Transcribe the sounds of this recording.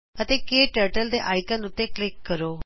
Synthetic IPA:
ət̪ekeʈəɾʈəld̪eʔajkãnut̪eklikːəɾo

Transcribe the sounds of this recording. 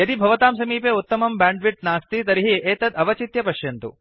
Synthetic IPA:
jɐd̪ibʱɐʋɐt̪aːmsɐmiːpeːut̪ːɐmɐmbaːɳɖʋiʈ̚naːst̪it̪ɐɾiɦieːt̪ɐd̪ɐʋɐt͡ʃit̪jɐpɐʃjɐnt̪ṵ

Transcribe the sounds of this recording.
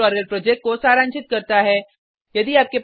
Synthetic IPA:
ɔːɾəlpɾoːd͡ʒek̚ʈ̚kːosaːɾãːnt͡ʃɪt̪̚kɐɾt̪aɦɛː | jɐd̪iaːp̚kep

